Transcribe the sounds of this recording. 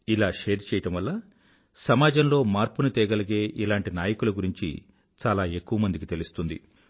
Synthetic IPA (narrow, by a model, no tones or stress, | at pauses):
ilaːʂeːɾt͡ʃɛːjɐʈɐmʋɐlːɐ | sɐmaːd͡ʒɐmlo̞ːmaːɾpunut̪ɛːɡɐlɐɡe̞ːʔilaːɳʈinaːjɐkulɐɡuɾiɲt͡ʃḭ | t͡ʃaːlaːe̞kːuʋɐmɐnd̪ikit̪elust̪und̪ḭ